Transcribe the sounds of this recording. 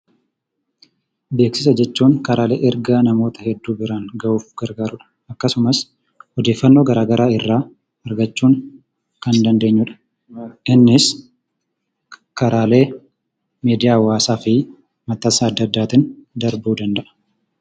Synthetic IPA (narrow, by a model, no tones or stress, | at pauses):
be̞ːksɪsɐd͡ʒɛt͡ʃːuːŋkɐɾaːle̞̰ːʔɛɾɡaːnɐmo̞ːt̪ɐhɛd̪ːuːbɪɾaːŋɡɐʔuːfɡ̥ɐɾɡaːɾʊᶑɐ̥ʔɐkːɐsʊmɐs | hɔd̪e̞ːfːɐnːo̞ːɡɐɾaːɡɐɾʔaːɪrːaː | ɐɾɡɐt͡ʃːuːŋ | kɐnd̪ɐnd̪e̞ːɲːʊᶑɐ̥ | ʔɪnːɪs | kɐɾaːle̞ː | meːd̪ɪjaːwaːsaːfɪ | mɐt̪ːaːsɐːɐd̪ːɐd̪ːaːt̪ɪnd̪ɐɾbuːd̪ɐnd̪ɐʔɐ̥